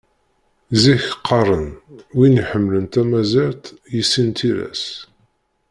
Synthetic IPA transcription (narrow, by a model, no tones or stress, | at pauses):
ziçqʰːɑrˤənwiniħəmːlənt̪æmæziɾt̪jisːint̪ʰiɾæ̰s